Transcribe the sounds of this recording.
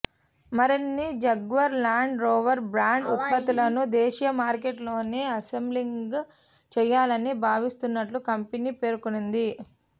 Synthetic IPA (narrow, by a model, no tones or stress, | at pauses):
mɐɾinːid͡ʒɐɡʋɐɾlaːɳɖɾoːʋɐɾbɾaːɳɖupːɐt̪ilɐnud̪eːʃijɐmaːɾkeʈlo̞ːneːɐsembliŋɡ | t͡ʃɛjːaːlɐnibʱaːʋist̪unːɐʈlukɐmpeniːpe̞ːɾukunund̪i